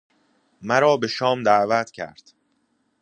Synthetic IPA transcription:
mæɾɒːbe̞ʃɒːmd̪æʔvæt̪ʰcʰæ̰ɾd̪̥

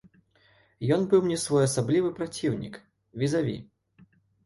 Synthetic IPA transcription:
jɔnbɨwmnʲɛsvɔjɐsablʲivɨpɾat͡sʲiwnʲḭk | vʲizavʲḭ

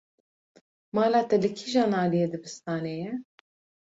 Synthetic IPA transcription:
mɑːlɑːt̪ɛlɨkʰiʒɑːnɑːlijeːd̪ɨbɨst̪ɑːneːjɛ

